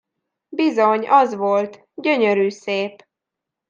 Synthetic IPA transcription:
bizo̞ɲɒzʋolt̪ | ɟø̞ɲøɾyːseːp

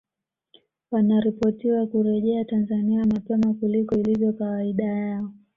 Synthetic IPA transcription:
wanaɾipɔtiwakuɾɛʄɛatanzaniamapɛmakulikɔilivjɔkawaiɗajaɔ

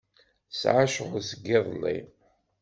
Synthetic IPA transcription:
sʕaʃʁʊsəɡːɪðˤlːḭ

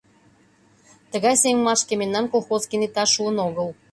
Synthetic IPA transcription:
t̪ə̆ɣɑjseŋʲmɑʃkemenːɑmkolˠxozkinit̪ɑʃuənoɣə̆lˠ

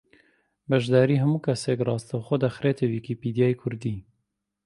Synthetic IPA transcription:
bɐʒd̪ɑːɾiːɦɐmuːkʰɐsekrɑːst̪awxod̪ɐxɾeːt̪ʰewiːkipiːd̪ijɑːjkʰʊɾd̪iː

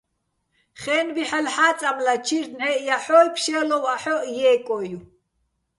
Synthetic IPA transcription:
χɛnbiħalħaːt͡sʼamlat͡ʃʰiɾnɛʔjaħɔːlpʰʃɛlɔwaħɔʔjɛːkʼɔju

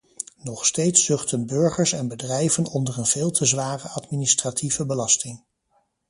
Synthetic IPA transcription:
nɔχstejtsːɵχtənbɵɹχəɹsɛnbədrɛjvənɔndərənv̥ɪːlˠtʰəzʋaːrəɑtminɪstratʰivəbəlɑstɪŋ

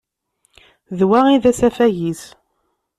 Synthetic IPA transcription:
ðwæiðæsæfæʝis

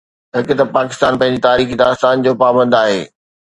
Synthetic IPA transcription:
ɦɪkʊ̆t̪ɐpaːkɪst̪aːnpɐ̃ɦɪ̃ɲd͡ʑit̪aːɾiːxid̪aːst̪aːnd͡ʑoːpaːbə̃nd̪aːɦeː

